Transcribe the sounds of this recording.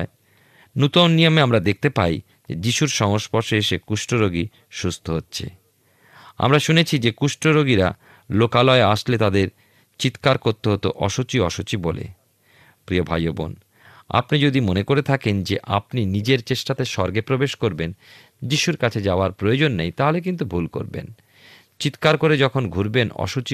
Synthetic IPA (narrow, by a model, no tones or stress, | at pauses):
e | nut̪onːijomeamɾad̪ek̚ʰt̪epa̰j | d͡ʑḛd͡ʑiʃuɾʃɔŋoʃpɔɾʃeeʃekuʃʈɾoɾoɡi | ʃust̪ʰoɦotːɕʰḛ | a̰mɾaʃunet͡ɕʰid͡ʑekuʃʈɾoɾoɡiɾa̰ | lokalɔeaʃlet̪ad̪eɾ | t͡ɕit̪kaɾkoɾt̪ːeɦot̪oʔɔ̰ʃot͡ɕiɔʃot͡ɕibolḛ | pɾiobʱajobo̰n | a̰pnid͡ʑod̪imonekoɾet̪ʰakend͡ʑeʔapninid͡ʑeɾt͡ɕeʃʈat̪eʃɔɾɡepɾobeʃkoɾben | d͡ʑiʃuɾkat͡ɕʰed͡ʑaoaɾpɾojod͡ʑonːejt̪aɦolek̬int̪̬ubʱulko̰ɾbḛn | t͡ɕit̪kaɾkoɾed͡ʑɔkʰonɡʱuɾbenɔ̰ʃut͡ɕi